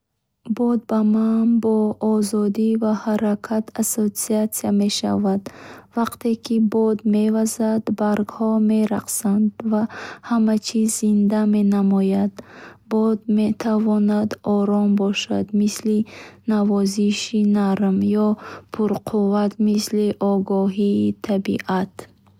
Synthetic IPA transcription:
bɔd̪̚bamanbɔːzɔd̪ivahaɾakʰat̪ʰasot̪siat̪siame̞ʃa̰vad̪vaqt̪ʰe̞kʰibɔd̪me̞vazad̪baɾɡhɔme̞ɾaqsand̪vahamat͡ʃʰizːind̪ame̞namɔjad̪bɔd̪met̪ʰavɔnad̪ɔɾɔmbɔʃa̰d̪mislinavɔziʃinaɾmjɔpʰuɾqʰuvat̪misliʔɔɡɔɦiːt̪ʰabḭʔat̪

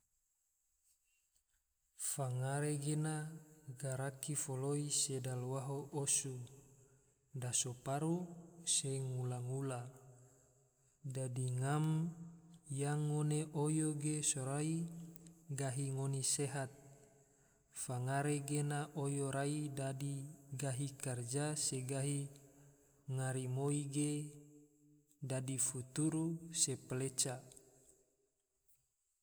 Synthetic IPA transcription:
faŋaɾeɡenaɡaɾakifoloisedalwaɦoʔosu | dasopaɾuseŋulaŋula | dadiŋam | jaŋːoneʔojoɡesoɾai | ɡaɦiŋoneseɦat̪̚ | faŋaɾeɡenaʔojoɾaidadiɡaɦikard͡ʒaseɡaɦi | ŋaɾimoiɡe | dadifut̪uɾusepəlet͡ʃa

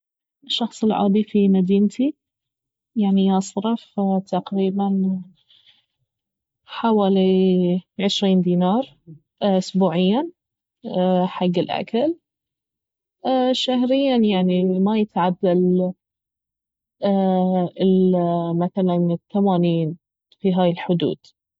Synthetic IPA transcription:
ʃːɑxsˤɨlʕɑ̰ːd̪ˤifimad̪iːnt̪i | jaʕniʔɑsˤɾɑft̪aqɾiːban | ħawaːli | ʕɪʃɾiːnd̪iːnɑːɾˤ | ʔʊsbuːʕɪjːa | ħaɡːɪlʔa̰kal | ʃaɦɾɪjːanjaʕnimajɪt̪ʕabːal | ɪmaθalant̪ːamaːniːn | fiɦaːjɪlħʊd̪ṵːd̪̥

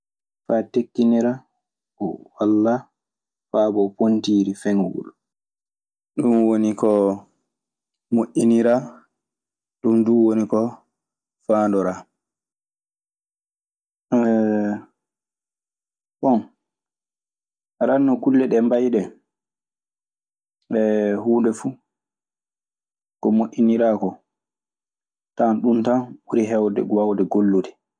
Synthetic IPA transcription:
fatekːiniɾa | ɔwalːa | faːbɔpontiːɾifɛŋɡṵl | ɗumwonikɔ | muʔiniɾa | ɗumduwonikɔ | faːndɔɾa | ɓɔn | ɾanːɔkulːɛɗɛmbajɗɛ | ɓɛhuːndɛfu | kɔmoʔʲːiniɾaːkɔ | tanɗuntanɓuɾiɦɛwdɛ̰ɡwawdɛɡolːudɛ

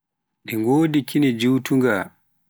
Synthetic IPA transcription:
ɗiŋɡoːdikʰinɛd͡ʒuwtuŋɡa

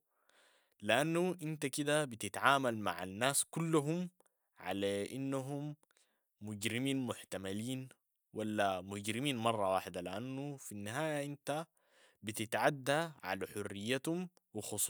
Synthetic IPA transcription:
liʔanːuʔint̪akid̪abit̪ɪt̪ʕaːmalma̰ʕa̰nːaːskulːuɦum | ʕa̰laʔinːaɦumː | ʊɟɾimiːnmʊħt̪amaliːn | walːamʊɟɾimiːnmɑrˤːɑwaːħɪd̪aliʔanːufinːiɦaːjaʔint̪a | bit̪ɪt̪ʕad̪ːaʕa̰laħʊrːɪjːat̪hum | wixʊs

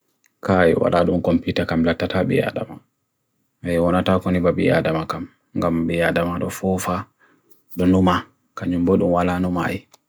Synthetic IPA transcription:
kajɛ̰wa̰ɗaɗumkɔmpitakamlatːataɓɛ̰ja̰da̰ma | ajɛwɔnatakɔnibabḭja̰damakam | ŋɡambɛjadamaɗɔfɔfa | ɗɔnuma | kaɲumboɗumwalaːnuma̰ji

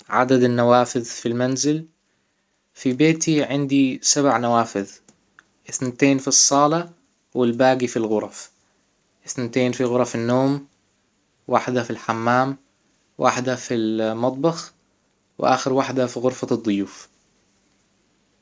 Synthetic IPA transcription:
ʕa̰d̪ad̪anːawaːfɪðfilmanzɪl | fibeːt̪iʕɪnd̪isabʕnawaːfɪð | ʔɪθnat̪eːnfisˤːɑːlɑ | wɪlbaːɡifilɣʊɾˤɑf | ʔɪθnat̪eːnfiɣʊɾˤɑfɪnːoːm | wa̰ːħd̪afilħamːaːm | wʔa̰ːħd̪afilmɑt̪ˤbɑx | wʔa̰ːxɪɾwaħd̪afiɣʊɾfad̪ˤːʊjuːf

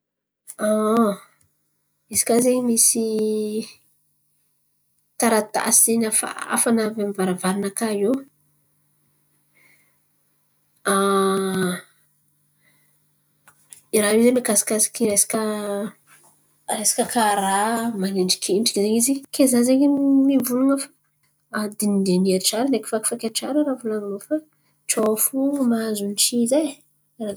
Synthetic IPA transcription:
a | izi̥kazeɲimisi | t̪aɾat̪a̰siz̥enafa̰a̰fanavamivaɾavaɾinakaɦew | a | iɾaɦizemekasḁkasi̥kiɾesi̥kə | resi̥kʲəkʰaɾamaneɳɖ͡ʐi̥kʰenʈ͡ʂi̥kzeŋizikezazeŋemivuluŋəfḁ | ad̪inid̪eniaʈ͡ʂaɾəneki̥faki̥fakʲaʈ͡ʂaɾəɾavulaninofa | ʈ͡ʂofumazunt͡ʃizaj | ra

